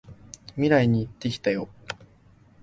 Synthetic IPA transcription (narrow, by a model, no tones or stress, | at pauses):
mʲiɾaiɲ̟iːt̪ːe̞kʲi̥t̪ajo̞